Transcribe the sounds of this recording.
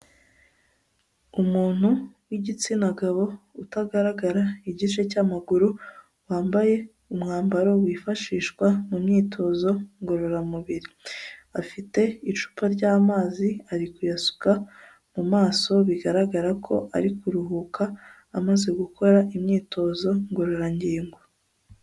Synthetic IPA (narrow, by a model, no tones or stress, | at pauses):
umuːn̥huwiɟit͡sinaɡaβo̞utaɡaɾaɡaɾaiɟit͡ʃe̞caːmaɡuɾu | waːmbaje̞ | umŋaːmbaɾo̞wiːfaʃiːʃkwamumɲiːtʰo̞zo̞ŋɡo̞ɾo̞ɾamuβiɾiafite̞iʃu̥paɾɟaːmaːziaɾikujasu̥ka | mumaːso̞βiɡaɾaɡaɾakʰo̞̰ʔa̰ɾikuɾuɦukaː | maze̞ɡukʰo̞ɾaʔimɲiːto̞zo̞ŋɡo̞ɾo̞ɾaɲɟiːŋɡo